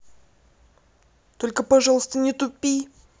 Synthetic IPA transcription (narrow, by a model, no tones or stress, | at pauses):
t̪olʲkəpɐʐɑlˠəst̪ənʲɪt̪ʊpʲːij